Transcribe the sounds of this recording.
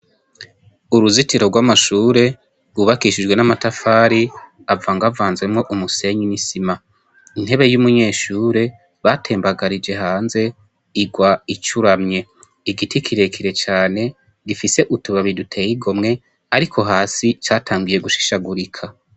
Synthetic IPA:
uɾuzitiɾo̞ɾɡwamaʃuːɾe̞ | βuβakiʃid͡ʒɡwe̞namatafaːɾi | avaːŋɡavaːnzɡe̞mŋo̞ʔumuse̞ɲinisima | in̥he̞βe̞jumuɲe̞ːʃuːɾe̞ | βatʰe̞ːmbaɡaɾid͡ʒe̞ɦaːnze̞ | iɡwait͡ʃuɾamɲe̞ | iɡitʰikʰiɾe̞kʰiɾe̞t͡ʃaːne̞ | ɡifise̞ʔutuβaβidutʰe̞jiɡo̞mŋe̞ | aɾikʰo̞ɦaːsit͡ʃaːtʰaːŋɡuje̞ɡuʃi̥ʃaɡuɾikʰa

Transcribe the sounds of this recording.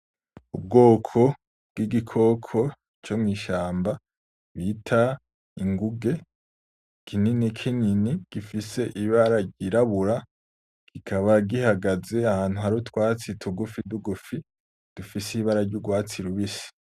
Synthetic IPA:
ub̚ɡo̞ːkʰo̞ | b̚ɡ̥iɡikʰo̞kʰo̞ | t͡ʃomŋiːʃaːmba | βitʰa | iŋɡuɡe̞ | kʰininikʰininiɡ̥ifise̞ʔiβaɾaɾɟiɾaβuɾa | ɡ̥ikʰaβaɡihaɡaze̞ahaːn̥huɦaɾutwaːt͡sitʰuɡufiduɡufi | d̥ufisiβaɾaɾɟuɡwaːt͡siɾuβisi̥

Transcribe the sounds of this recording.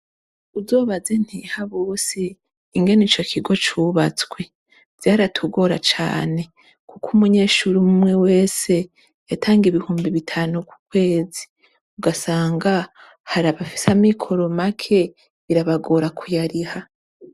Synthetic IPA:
uzo̞ːβaze̞n̥hihaβosiː | ŋɡe̞niːt͡ʃo̞kʰiɡo̞t͡ʃuβat͡swe | v̥jaːɾatʰuɡo̞ɾat͡ʃa̰ːne̞ | kukʰumuɲe̞ːʃuɾimumŋe̞we̞ːse̞ | jatʰaːŋɡiβihuːmbiβitʰaːnuku̥kwe̞ːzi̥ | uɡasaːŋɡa | haɾaβafi̥samikʰo̞ɾo̞makʰe̞ | iɾaβaɡo̞ːɾakʰujaɾiha

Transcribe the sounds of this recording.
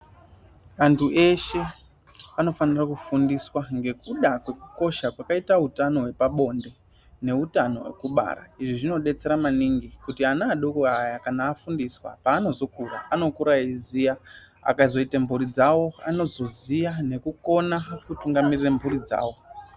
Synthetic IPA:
ʋantʰuʔe̞ʃe̞ | ano̞fanirakufundiswaŋɡe̞kuɗakwe̞kuko̞ʃakwakaitautano̞we̞paɓo̞nde̞ | ne̞utano̞̰wḛkuɓa̰ɾa̰iʐiʐino̞ɗe̞t͡se̞ɾamaniŋɡikutianaːɗokoajakanaːfundiswa̰paːno̞zo̞kura̰ano̞kuɾaizija | a̰kazo̞itambuɾid͡zawo̞a̰no̞zo̞zijane̞kuko̞nakutuŋɡamirirembʰʱuɾid͡za̰ːwo̞

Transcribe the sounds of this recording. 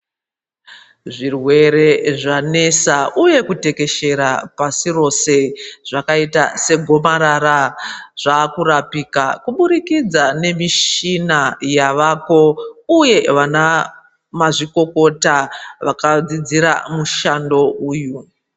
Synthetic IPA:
ʐirwe̞ɾe̞ʐane̞saʔuje̞kute̞ke̞ʃe̞ɾapasiro̞se̞ʐ̥akaitase̞ɡʱo̞maɾaɾaʐ̥aːkuɾapiːkakuɓuɾikid͡zane̞miʃinajaʋako̞uje̞ʋana | maʐiko̞ko̞taʋakad͡zid͡ziɾa̰muʃando̞uːju

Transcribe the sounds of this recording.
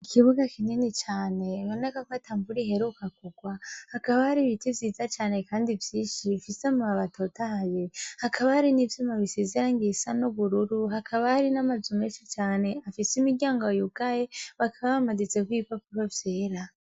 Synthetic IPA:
ikʰiβuɡakininit͡ʃaːne̞βo̞ne̞kakwataːmbuɾihe̞ɾukakuɡwahakaβahaɾiβitivjiːzat͡ʃaːne̞kaːndivjiːnʃifisemuaβatʰo̞tahajehakʰaβahaɾinivjomaβisizeɾaŋɡisanuβuɾuɾuɦakʰaβahaɾinamazumeːʃit͡ʃaːne̞afisimiɡɟjaːŋɡojukajeβakʰaβaβamazit͡sekwipapuɾovjeːɾa

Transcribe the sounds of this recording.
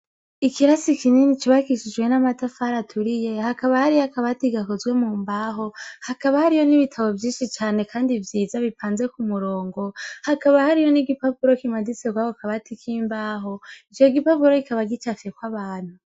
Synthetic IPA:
ikiɾasikininit͡ʃiβakiʃid͡ʒɡwe̞namatafaɾatʰuɾije̞hakaβahaɾijakaβatiɡakozwe̞muːmbaɦo̞hakaβahaɾijo̞niβitʰaβo̞vjiːnʃit͡ʃaːne̞kʰaːndivjiːzaβipʰaːnze̞kumuɾo̞ːŋɡo̞hakaβahaɾijo̞niɡipapuɾo̞kimadiseɡwaβokaβatikʰiːmbaːɦo̞it͡ʃjoɡipapuɾo̞ikaβaɡit͡ʃafe̞kwaβaːn̥hu

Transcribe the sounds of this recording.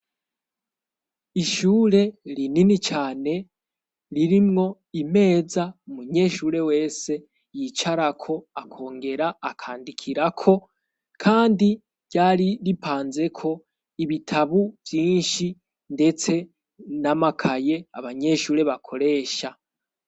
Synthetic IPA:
iʃuːɾe̞ɾininit͡ʃaːne̞ | ɾiɾimŋo̞ | ime̞ːzaumuɲe̞ʃuːɾe̞we̞ːse̞ | jit͡ʃaɾakʰo̞akʰo̞ːŋɡe̞ɾaːkʰaːndikʰiɾakʰo̞ | kʰaːndi | ɾɟaːɾiɾipʰaːnze̞kʰo̞ | iβitʰaβuvjiːnʃi | nde̞t͡se̞ | namakʰaje̞a̰βaɲe̞ʃuːɾe̞βakʰo̞ɾe̞ːʃa

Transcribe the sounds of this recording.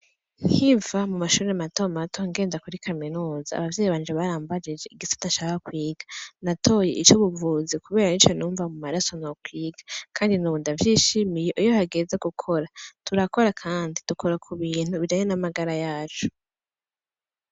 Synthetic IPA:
nn̥hivamumaʃuːɾemato̞matʰoŋɡe̞ːndakuɾikʰaminuːzaa̰βavjeːjiβaːnd͡ʒeβaɾaːmbad͡ʒed͡ʒe̞iɡisḁtat͡ʃaβaakwiːɡ̥anatʰo̞je̞ʔit͡ʃoβuvuːzikuβe̞ːɾanit͡ʃonuːɱvamumaɾaso̞nokwiːɡakʰaːndinuβuːndavjiːʃimije̞ʔujohaɡe̞ze̞ɡukʰo̞ɾatuɾako̞ɾakʰaːndid̥ukʰo̞ɾakʰuβiːn̥huβiɾajenamaɡaɾajaːt͡ʃo̥

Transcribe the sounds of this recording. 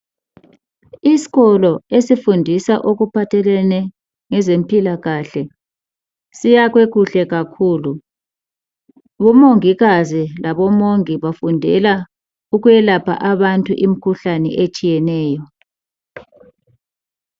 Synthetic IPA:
isi̥ɣɔlɔesifundʱisaʔoɣupʰatʰɛlɛnɛ | ŋɛzem̩pʼilaɣaːɬɛ | sijaɣweɣuɬɛɣakʰuːlu | βɔmoŋiɣazilaβɔmoŋiβafundʱɛ̰la | uɣujɛlapʰa̰ʔaβantʼṵʔim̩kʰuɬanɛ̰ʔet͡ʃʼijɛnɛːjɔ

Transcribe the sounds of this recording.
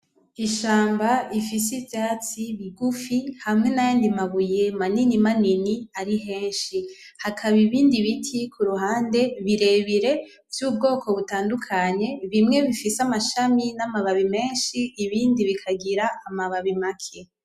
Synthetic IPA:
iʃaːmbaifisivjaːt͡siβiɡufihamŋe̞najaːndimaβuje̞maninimaniniaɾiɦe̞ːnʃi | hakʰaβiβiːndiβitʰikʰuɾuɦaːnde̞βiɾe̞βiɾe̞ | vjuːb̚ɡo̞ːko̞βutaːndukʰaɲe̞βimŋe̞βifisamaʃaminamaβaβime̞ːnʃiːβiːndiβikʰaɡiɾaːmaβaβimakʰe

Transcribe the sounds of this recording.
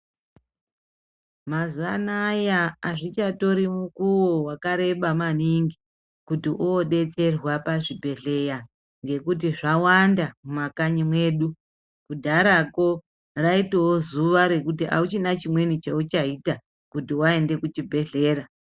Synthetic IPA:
mazuanajaaʐit͡ʃato̞ɾimukuwowakaɾe̞ɓamaniŋɡi | kutiʔuoɗe̞t͡se̞rwapaʐibʱe̞ɮe̞ja | ŋɡe̞kut̬iʐawandamumakaɲimweːɗu | kudʱaɾako̞ | raitewozuʋaɾe̞kut̬iʔa̰ut͡ʃinat͡ʃimwe̞nit͡ʃaut͡ʃaita | kutiwae̞nde̞kut͡ʃibʱe̞ɮe̞ːra

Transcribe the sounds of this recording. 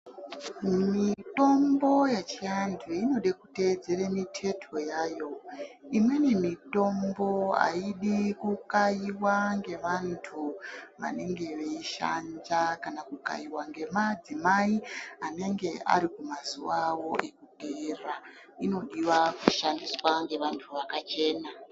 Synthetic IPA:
mito̞mbo̞jat͡ʃiandeino̞ɗekute̞d͡ze̞remitʰe̞tʰo̞jaːjo̞imwe̞nemito̞mbo̞a̰iɗikukaiwaŋɡe̞ʋantʰuʋa̰ne̞ŋɡe̞ʋeiʃa̰ɲd͡ʒakanakuka̰iwaŋɡe̞mad͡zimaiane̞ŋɡe̞a̰ɾikumazuwawo̞ʔe̞kudʱeːra | ino̞ɗiwakuʃandiswaŋɡe̞ʋantʰuʋakat͡ʃe̞ːna

